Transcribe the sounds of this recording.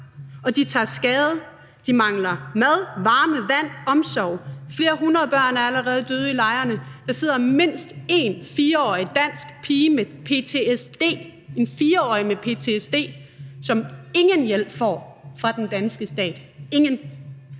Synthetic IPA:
ɒ̽d̥it͡sʰɑ̈ːsɡ̥ɛːðˠə | d̥imɑ̈ŋlɐmæð̞ˠʋɑ̈ːməʋæn̰ɒ̽msɒʊ̰fle̝ːɐɦunɐð̩ˠb̥ɶɐ̰næɐæləʁɛːð̞̩ˠd̥øːð̞ˠilɑ̈ɪɐnəd̥ɑ̈se̝ð̞̰ˠɐme̝n̰sd̥e̝nfiːɐɒ̰ːid̥æn̰sɡ̥pʰiːmepʰe̝t͡sʰe̝esd̥e̝̰ː | e̝nfiːɐɒ̰ːimepʰe̝ːt͡sʰe̝esd̥e̝̰ːsɒ̽me̝ŋənjel̰b̥fɒ̰ːfʁɑ̈d̥end̥ænsɡ̥əsd̥ɛ̰ːd̥e̝ŋən

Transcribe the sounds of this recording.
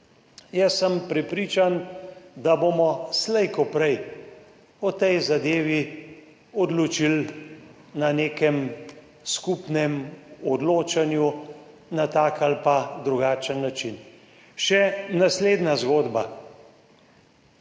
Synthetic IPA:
jɛsːəmpɾɛpɾiːt͡ʃand̪aboːmɔslɛjkɔpɾɛj | ɔt̪ɛjzad̪eːʋi | ɔd̪lɔt͡ʃil | naneːkɛm | skupnɛmɔd̪loːt͡ʃanju | nat̪aːkalpad̪ɾuɡaːt͡ʃənːat͡ʃin | ʃɛnasleːd̪nazɡoːd̪ba

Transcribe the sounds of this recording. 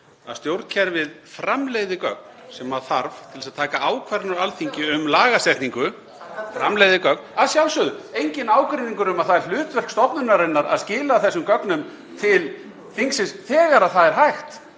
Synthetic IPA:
a̰ðst̪jowɾt̪cʰɛɾvɪð | fɾamlejðɪkœ̰k̚n | sɛmvaðθaɾvt̪ʰɪlsaðt̪ʰaːkaaːwkʰvaɾnʏɾalθiɲcɪʏmlaːɣasɛht̪niŋkʏ | fɾa̰mlejðɪkœk̚naðsjawlsʏðʏejɲcɪnaːwkɾiniŋkʏɾʏmaðθaðɛɾ̥l̥ʏːt̪vɛr̥kst̪ɔpnʏnaɾɛnːaɾa̰ðscɪːlaθɛsːʏmkœknʏm | t̪ʰɪl | θiŋksɪsθɛːɣaɾaðθaðɛɾ̥ɦajxt̪

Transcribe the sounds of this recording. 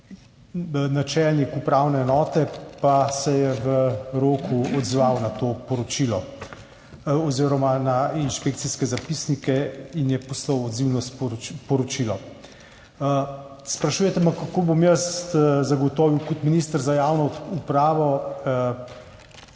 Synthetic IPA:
nat͡ʃɛlnikupɾawnɛːnɔːt̪ɛpasɛjɛʋəɾoːkuɔd̪zʋawnat̪oːpɔɾɔt͡ʃilɔ | ɔziːɾɔmanainʃpek̚t̪siskɛzapisnikɛinjɛpɔslɔwɔd̪ziwnɔsppɔɾɔt͡ʃilɔ | spɾaʃuːjɛt̪ɛmakakoːbomjəst̪zaɡɔt̪ɔːʋiwkɔt̪minist̪əɾzajawnɔupɾaːʋɔ

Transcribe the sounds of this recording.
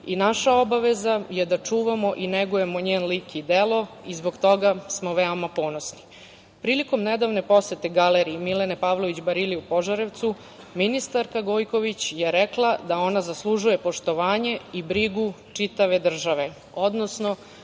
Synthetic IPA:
inaʃaobaʋe̞zajed̪at͡ʂuːʋamo̞ʔineɡuje̞moɲeːnlikid̪elˠo̞ | izboɡt̪o̞ɡasmoʋeomapo̞no̞sni̥ | pɾiːliko̞mned̪aʋnepo̞set̪eɡaleɾiːmilenepaʋlˠoʋit͡ɕbaɾiliupo̞ʒaɾeʋt̪su | minist̪aɾkaɡo̞ːjko̞ʋit͡ɕjeɾeklˠad̪ao̞nazaslˠuʒuje̞po̞ʃt̪o̞ʋaːɲe̞ibɾiɡu | t͡ʂit̪aʋe̞d̪r̩ʒaʋe̞ | o̞d̪nosno̞

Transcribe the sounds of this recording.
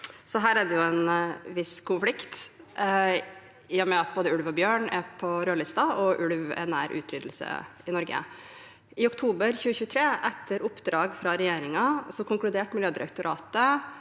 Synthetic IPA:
sɔɦæːɾæɖɛjʊɛnʋɪskʰʊnflɪkt̪ | ɪjɔmɛɑt̪̚boːd̪əʉlʋɔbjøːɳæpʰɔɾøːɭɪst̪ɑɔʔʉɽʋɛ̰næ̰ɾʔʉ̰ːt̪ʰɾʏːd̪l̩sə̰ɪnɔɾɡə̰ | ɪʊkt̪ʰuːbəɾçʉːəçʉːət̪ʰɾeːʔɛt̪ʰːəɾʊpːd̪ɾɑːɡfɾɑɾɛjeːɾɪŋɑsɔkʊŋklʉd̪eːʈmɪljøːd̪ɪɾɛk̚t̪ʊɾɑ̰ːt̪ə

